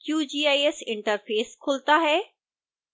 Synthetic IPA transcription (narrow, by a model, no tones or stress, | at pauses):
kjuːd͡ʑiːaːiesɪ̃ɳʈəɾfeːskʰʊlt̪aɦɛː